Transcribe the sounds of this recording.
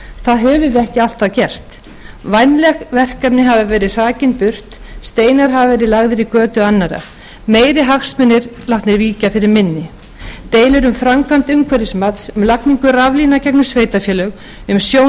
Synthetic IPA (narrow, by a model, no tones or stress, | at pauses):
θaðɦɛvʏɛhcɪal̥t̪acɛr̥t̪ | vajnlɛɣvɛr̥kapnɪɦavɪvɛːɾɪr̥aːcɪnpʏr̥t̪ | st̪eːjnaɾɦavɪvɛːɾɪlaɣðɪɾikœːt̪ʏanːaɾa̰ | meːjɾɪɦaxsmɛnːɪɾlawht̪nɪɾviːcafɪɾɪɾmɪnːɪ | t̪eːjlɪɾʏmfɾamkʰvam̥t̪ʏŋkʰvɛɾɪsmat̪sʏmlakniŋkʏravlinacɛknʏsveːjt̪afjɛːlœɣ | ʏmsjo